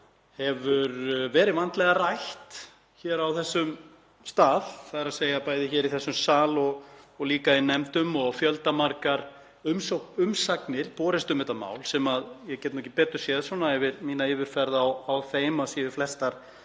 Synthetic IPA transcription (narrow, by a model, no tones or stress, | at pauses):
hɛvʏɾvɛːɾɪðvant̪lɛɣarajht̪ | çɛːɾawθɛsːʏm | st̪aːðθaðɾaðseːjapaːjðɪçɛːɾiθɛsːʏmsaːlɔɣɔɣliːkainɛmt̪ʏmɔɣfjœlt̪amaɾkaɾ | ʏmsowʏmsaknɪɾpɔːɾɪst̪ʏmhɛt̪ama̰ːwlsɛmaðjɛcɛt̪nɔhcɪpɛːt̪ʏɾ̥sjɛðsvɔnaɛvɪɾmiːnaɪːvɪɾ̥fɛɾðawːwθeːjmasiːɪflɛst̪aɾ̥